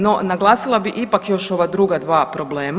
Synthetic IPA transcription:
no̞naɡlˠaːsilˠabiʔipakjo̞ʃo̞ʋad̪ɾuɡad̪ʋaːpɾo̞ble̞ːm

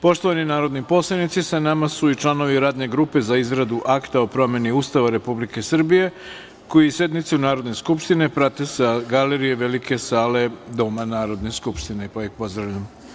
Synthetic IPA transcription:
po̞ʃt̪oʋaninaːɾo̞d̪nipo̞slˠanit̪sisanamasuit͡ʃlˠano̞ʋiɾaːd̪ne̞ɡɾuːpe̞zaizɾad̪uʔakt̪ao̞pɾo̞me̞niust̪aʋaɾe̞publike̞sr̩bije̞ | ko̞jise̞d̪nit̪siunaːɾo̞d̪ne̞skupʃt̪ine̞pɾat̪esaɡaleɾijeʋelike̞saːle̞d̪o̞manaːɾo̞d̪neskupʃt̪inepaixpo̞zd̪ɾaʋʎam

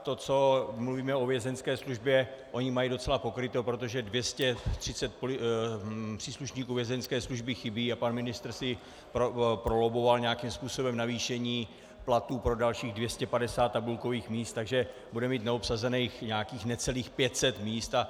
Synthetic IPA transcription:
t̪o̞t͡so̞mluviːmɛo̞vjɛzɛnskɛːsluʒbjɛʔo̞ɲɪmajido̞t͡sɛlapo̞kɾɪt̪opɾot̪o̞ʒɛdvjɛscɛt̪r̝̥ɪt͡sɛt̪̚po | pr̥iːsluʃɲiːkuːvjɛzɛnskɛːsluʒbɪxɪbiːapanmɪnɪst̪ɾ̩sɪ | opɾolobo̞valɲɛjakimspuːso̞bɛmnaviːʃɛɲiː | plat̪uːpɾo̞dalʃiːɣdvjɛscɛpadɛsaːt̪ːabulko̞viːxmiːst̪ːaɡʒɛ | budɛmiːt̪nɛopsazɛnɛjxɲaakiːxnɛt͡sɛliːxpjɛt̪sɛt̪miːst̪a

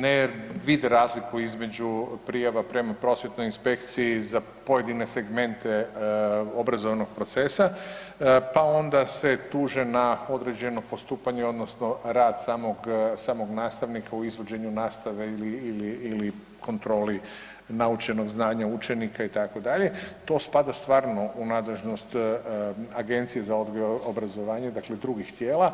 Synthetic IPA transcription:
neʋid̪eɾaːzlikuizme̞d͡ʑupɾijaʋapɾe̞mapɾo̞sje̞t̪no̞jinspe̞kt̪siiza | po̞je̞d̪ine̞se̞ɡme̞nt̪ʰe | o̞bɾazo̞ʋno̞ɡ̥̚pɾo̞t̪sesa | pao̞nd̪ase̞t̪uːʒenao̞d̪ɾe̞d͡ʑe̞no̞po̞st̪uːpaɲeo̞d̪no̞sno̞ɾaːd̪saːmoɡsaːmo̞ɡnaːst̪aʋnikauizʋod͡ʑe̞ɲunaːst̪aʋe̞iliiliili | kʰo̞nt̪ɾo̞ːli | naut͡ʃe̞no̞ɡznaːɲaut͡ʃe̞nikait̪ako̞d̪aʎe̞t̪o̞ːspad̪ast̪ʋaːɾno̞ʔunaːd̪le̞ʒnost̪ | aɡe̞nt̪sije̞zaod̪ɡojoobɾazoʋaːɲed̪akle̞d̪ɾuɡixt̪jeːlˠa

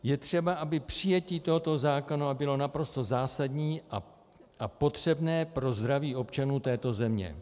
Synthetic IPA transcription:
jɛt̪r̝̥ɛbaʔabɪpr̝̥ɪjɛciːt̪o̞ɦo̞t̪o̞zaːko̞nabɪlo̞napɾo̞st̪o̞zaːsadɲiːʔa | ʔapo̞t̪r̝̥ɛbnɛːpɾo̞zd̪ɾaviːʔo̞pt͡ʃanuːt̪ɛːt̪o̞zɛmɲɛ̰

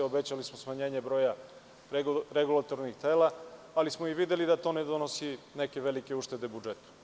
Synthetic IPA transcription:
obet͡ɕalismosmaɲe̞ːɲe̞bɾo̞ːja | ɾeɡulat̪o̞ɾnixt̪e̞ːla | alismoiʋid̪elid̪at̪o̞ːne̞d̪onosine̞ke̞ʋe̞like̞uʃt̪e̞d̪e̞bud͡ʒe̞t̪u̥

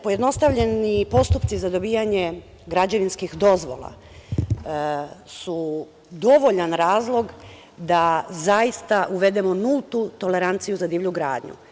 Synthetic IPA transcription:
po̞je̞d̪no̞st̪aʋʎe̞nipo̞st̪upt̪sizad̪o̞biːjaɲe̞ | ɡɾad͡ʑaʋinskixd̪o̞zʋo̞̰la̰ | su | d̪o̞ʋo̞ʎanɾaːzlˠo̞ɡ | d̪azajist̪aʔuʋe̞d̪e̞mo̞nulˠt̪ut̪o̞le̞ɾant̪sijuzad̪iːʋʎuɡɾa̰ːd̪ɲṵ

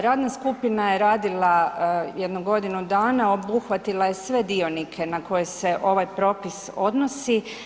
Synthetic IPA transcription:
ɾaːd̪naskupinaje̞ɾaːd̪ilˠajed̪nuɡo̞d̪inud̪aːnao̞buxʋat̪ilˠaje̞sʋe̞d̪io̞nikʰe̞nako̞jese̞ʔo̞ʋajpɾo̞ːpiso̞d̪no̞si

